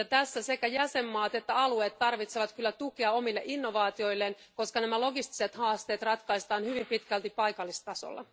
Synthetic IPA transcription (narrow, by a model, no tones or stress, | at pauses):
jɑt̪æsːæse̞kæjæse̞mːɑːt̪e̞t̪ːæɑlue̞ːt̪ːɑrʋit̪seʋɑt̪kylːæt̪ukeɑo̞milːeʔinːo̞ʋɑːt̪io̞jlːen | ko̞skɑnæmælo̞ɡist̪i̥set̪hɑːst̪e̞ːt̪rɑt̪kɑist̪ɑːnhyʋimpit̪kælt̪ipɑjkɑlːist̪ɑso̰lːɑ̰